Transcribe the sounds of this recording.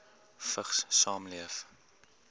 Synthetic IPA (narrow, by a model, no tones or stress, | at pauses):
fəχssɑːmliəf